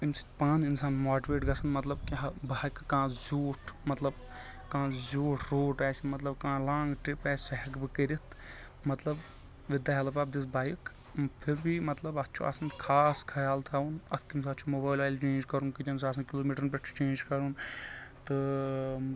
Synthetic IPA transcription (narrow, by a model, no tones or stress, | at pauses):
insi̥paːninsaːnmaːʈiʋeːʈɡɐsɐnmɐt̪lɐbkiɦɐbaːkkãːzuːʈʰmɐt̪lɐb | kãːzuːʈʰɾoːʈɛːsimɐt̪lɐbkãːlãːŋɡʈɾipɛːsʲɦɛkbɨkəɾit̪ʰ | mɐt̪lɐb | ʋid̪aːɦɛlɐpaːb̚d̪is̬bʱaːjik | pʰiɾbʱimɐt̪lɐbɐt̪ːt͡ʃʰṵʔɐ̰sɐnkʰaːskʰɐjaːlt̪ʰaunɐt̪ʰkimsʰɐt͡ʃʰumoːbaːjlːjlt͡ʃẽːnd͡ʒkɐɾunkid͡ʒɐns̬aːs̬ɐnkiloːmiːʈəɾnpʲeʈt͡ʃʰt͡ʃẽːnd͡ʒkɐɾunt̪ɨ